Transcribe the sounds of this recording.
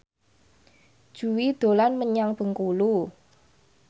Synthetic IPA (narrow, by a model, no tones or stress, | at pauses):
d̥ʒ̥ṳwid̪̥o̤lanməɲaŋb̥ə̤ŋkulu